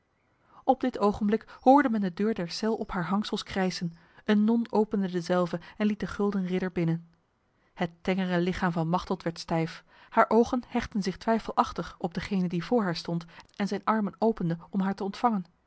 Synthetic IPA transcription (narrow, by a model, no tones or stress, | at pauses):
ɔb̚dɪtowχənblɪkhʊːɹdəmɛndədøːɹdɛɹsɛlˠɔpɦaːɹɦɑŋsəlˠskrɛjzən | ənːɔnowpəndədəzɛlˠvəɛnlit̚dəχɵlˠdənrɪdəɹbɪnən | hətːɛŋərəlɪχaːmvɑnmɑχtlˠtʋɛɹtstɛjf | haːɹʔowχənhɛχtənzɪχtʋɛjfəlˠʔɑχtəχɔb̚dəχejnəndivʊːɹɦaːɹstɔntɛnzɛjnɑɹmənowpəndəɔmɦaːɹtəɔntfɑŋən